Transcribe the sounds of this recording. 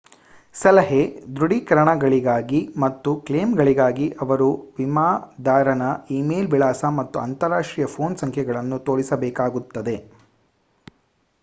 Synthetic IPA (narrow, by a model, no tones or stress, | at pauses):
sɐlɐɦed̪ɾuɽikɐɾɐɳɐɡɐɭiɡaːɡimɐt̪ːukleːmɡɐɭiɡaːɡiʔɐʋɐɾuʋimaːd̪ʱaːɾɐnɐiːmeːlʋiɭaːsɐmɐt̪ːuɐnt̪ɐɾaːʂʈɾiːjɐpʰo̞ːnsɐŋkʰɛɡɐɭɐnːut̪oːɭisɐbɛːkaːɡut̪ːɐd̪e̞